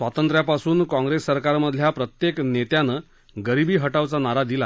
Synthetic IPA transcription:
sʋat̪ənt̪ɾjapasuːnkɔ̃ŋɡɾesːəɾkaɾməd̪ʱːjapɾət̪jeknet̪janə | ɡəɾibiːɦəʈaʋt͡sanaɾad̪ila

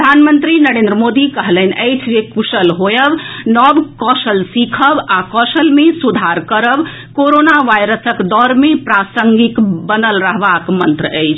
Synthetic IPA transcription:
pd̪ʱanmənt̪ɾinəɾẽnd̪ɾəmod̪ikəɦləɦn̆ʔəjt͡ʃʰd͡ʒekusəlɦojəbnɔbkɔsəlsikʰəbakɔsəlmesud̪ʱaɾkəɾəb | koɾonaʋajɾəsəkd̪ɔɾmepɾasəŋɡikbənəlɾəɦbakmənt̪ɾəəjt͡ʃʰ

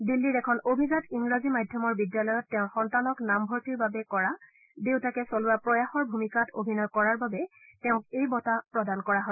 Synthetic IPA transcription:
dilːiɹɛkʰɔnobʱizatiŋɹazimadʱjɔmɔɹbidjalɔjɔtːɛʊ̃xɔntanɔknambʱɔɹtiɹbabɛkɔɹa | dewtakɛsolʊwapɹɔjaxɔɹbʱumikatʰo̰bʱinɔjkɔɹaɹbabɛ | tɛʊ̃kejbɔtapɹɔdankɔɹaɦoj

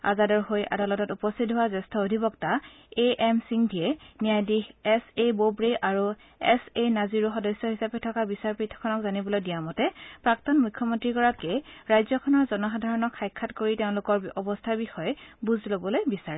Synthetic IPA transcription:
a̰zadɔɹxojʔa̰dalɔtɔtupɔstʰit̚ɦʊwazɛstʰɔodʱibɔkta | eʔɛmsiŋdʱiɛnijajdixɛsebobɹeʔaɹu | ɛsenaziɹuxɔdɔsjɔɦisapɛtʰɔkabisaɹpɹitʰːɔ̥kʰɔnɔkzanibɔlojdijamɔtɛpɹaktɔnmujkʰːɔmɔntɹikɔɹakɛɹajzɔkʰɔnɔɹzɔnɔxadʱaɹɔnɔkʰːajkʰːatkoɹiteʊ̃lʊkɔɹɔbɔstʰabixɔjɛbuzlobɔlojbisaɹɛ

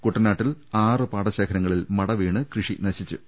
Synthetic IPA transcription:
kuʈːɐnaːʈːilaːrɨpaːɽɐɕeːkʰɐɾɐŋːɐɭilmɐɽɐʋeːɳɨkrɨʂinɐɕit͡ɕːṵ

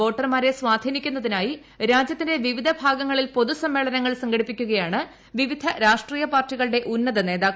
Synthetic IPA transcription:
o̞ːʈːɐrmaːɾe̞sʋaːd̪ʱiːnikʲːunːɐðinaːji | ɾaːd͡ʑjɐt̪ːinde̞ʋiʋid̪ʱɐbʱaːɡɐŋːɐɭilpo̞ðusɐmːe̞ːɭɐnɐŋːɐɭsɐŋɡɐɽipːikʲːuɣɐjaːɳɨ | ʋiʋid̪ʱɐɾaːʂʈriːjɐpaːrtːiɣɐɭɨɽe̞ʔunːɐðɐne̞ːðaːk

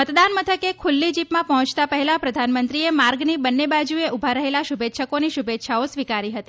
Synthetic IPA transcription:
mət̪d̪anmət̪ʰəkekʰulːid͡ʒipmãpɔɦɔ̃t͡ʃt̪apəɦɛlapɾəd̪ʱanmənt̪ɾiemaɾɡnibənːebad͡ʒueʔubʱaɾəɦelaʃubʱet̪ːʃəkoniʃubʱet̪ːʃʰaosʋikaɾiɦət̪i

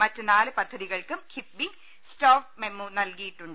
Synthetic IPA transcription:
mɐtːɨnaːlɨpɐd̪ʱːɐðiɣɐɭkumkʰipbi | stoːfmemunɐlkijiʈːuɳɖɨ

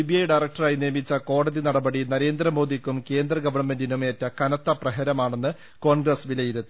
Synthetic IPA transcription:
ibiɐjɖɐjrɐk̚ʈɐraːjnijɐmit͡ɕːɐko̞ːɽɐðinɐɽɐbɐɽinɐɾe̞ːnd̪ɾɐmo̞ːd̪ikʲːumke̞ːnd̪rɐɡɐʋɐrɳme̞ndinumeːtːɐkɐnɐt̪ːɐprɐɦɐɾɐmaːɳenːɨ | ko̞ːɳɡrɐsʋilɐjiɾut̪ːu

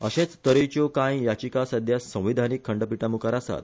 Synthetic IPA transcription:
əɕẽt͡st̪əɾet͡ɕokãjjat͡ɕikasad̪ʱjasːə̃w̃ʋid̪ʱanikʰːəɳɖəpiʈamukaɾasa̰t̪̚

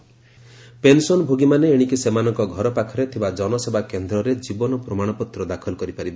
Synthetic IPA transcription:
pensɔnbʱoɡimaneːɽ̃ikisemanɔŋkɔɡʱɔɾɔpakʰɔɾet̪ʰibad͡ʒɔnɔsebʱakend̪ɾɔɾed͡ʒibɔnɔpɾɔmaɽ̃ɔpɔt̪ɾɔd̪akʰɔlɔkɔɾipaɾibɔ

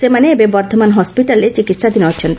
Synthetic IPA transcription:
semaneebebɔɾt̪ʰomanɦɔspiʈalet͡ʃikit̪ːʃad̪inɦɔt͡ʃʰen

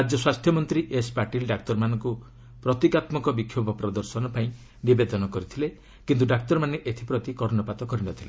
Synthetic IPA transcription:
ɾad͡ʒjɔswast̪ʰjɔmɔnt̪ɾiʔespaɾʈilɖak̚t̪ɔɾmanɔŋku | pɾɔt̪ikat̪mɔkɔbikʰjobʱɔpɾɔd̪ɔɾsɔnɔpaĩ | nibed̪ɔnɔkɔɾit̪ʰile | kint̪̬uɖak̚t̪ɔɾmaneʔet̪ʰipɾɔt̪ikɔɾnɔpat̪ɔkɔɾinɔt̪ʰile

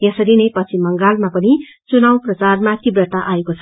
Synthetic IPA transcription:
jʌsʌɾinepʌt͡sʰimʌŋɡalmapʌni | t͡sunawprʌt͡sarmakibrʌʈ̪aʔaekot͡sʰʌ̥

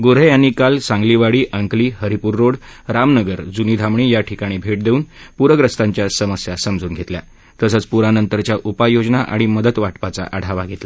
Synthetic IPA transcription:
ɡoɾejanːiːkalsãŋɡliʋaɽiːʔəŋkliːɦəɾipuːɾːoɽɾamnəɡəɾd͡zunid̪ʱamɳiːjaʈʰikaɽ̃ibʱeʈ̚d̪euːnpuɾəɡɾəst̪aɲt͡ɕjasəməsjasəmd͡zuːnɡʱet̪lja̰ | t̪əsət͡spuɾanənt̪əɾt͡ɕjaʔupajod͡ʑnaʔa̰ɽ̃iməd̪ət̪ʋaʈpat͡sa̰ʔaɽ̤aʋaɡʱet̪la

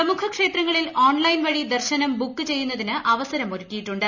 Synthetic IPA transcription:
ɐmukʰɐkʂe̞ːt̪rɐŋːɐɭiloːɳlɐjnʋɐɻid̪ɐrɕɐnɐmbukːɨt͡ɕe̞jːun̪ːɐðinɨʔɐʋɐsɐɾɐmoɾutːijiʈːuɳɖɨ

